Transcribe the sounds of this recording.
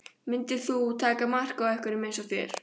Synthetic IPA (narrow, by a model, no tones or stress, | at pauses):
mɪnt̪ɪ̥θut̪ʰaːkamar̥kawɛhkʏɾɪmejnsɔfjɛ̰ːɾ̥